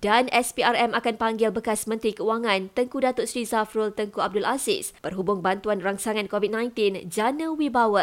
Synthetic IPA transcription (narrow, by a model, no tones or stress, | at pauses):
danʔɛspiarɛmakanpaŋɡɪlbəkasmə̃nt̪ɾikəuaŋãnt̪əŋkudat̪ʊʔ̪sɾizafɾult̪əŋkuab̚dʊlasɪ̰spərɦubʊŋbant̪uanraŋsaŋãnkovid̚nãjnt̪ind͡ʒanə̃wibawə